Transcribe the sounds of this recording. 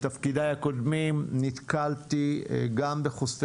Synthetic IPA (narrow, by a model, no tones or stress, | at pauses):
t̪afkid̪ajhakod̪mimnit̪kalt̪iɡambeχosf